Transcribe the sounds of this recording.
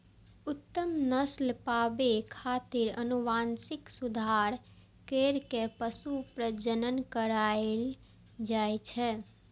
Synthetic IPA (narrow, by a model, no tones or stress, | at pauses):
ut̪ːəmnəslpabekʰat̪ɪɾənuʋansɪksud̪ʱaɾ | keɾkepəsupɾəd͡ʒənənkəɾael | d͡ʒajt͡ʃʰɛ